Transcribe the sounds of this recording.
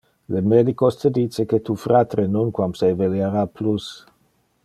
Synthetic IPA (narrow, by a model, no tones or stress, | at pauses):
lemed̪ikost̪ed̪iːt͡seket̪ufɾat̪ɾenonkwamsejveljaɾaplus